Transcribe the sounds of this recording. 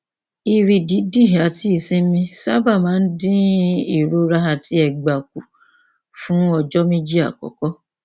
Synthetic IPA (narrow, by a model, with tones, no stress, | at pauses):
i˧ɾi˧di˨˦di˦˨a˨ti˨˦i˨sĩ˦mĩ˧sa̰˦ba˦˨mãː˨˦n̩˦dĩ˦i˦˨ɾo˦ɾa˦ɦa˧˨ti˧˦ɛ˧˨ɡ͡ba˨k̚u˨ | fũ˦ɔ˧d͡ʒɔ˦mĩ˦d͡ʒi˦a̰˦˨kɔ̰˨kɔ˦